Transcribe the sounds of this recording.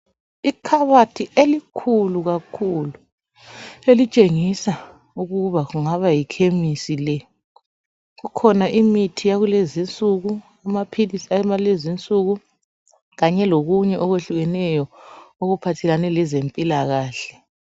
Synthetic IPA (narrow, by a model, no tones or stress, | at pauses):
ikʰaβatʰielikʰuluɣakʰulu | elit͡ʃʼeŋisa | uɣuβaɣuŋaβajikʰemisilɛ | ɣukʰɔnaʔimitʰijaɣulezint͡sʼuɣu | amapʰilisamalezint͡sʼuɣu | ɣaɲɛloɣuɲɛʔɔɣweɬuɣɛnɛjɔoɣupʰatʰɛlanɛlɛzempʼilaɣaːɬɛ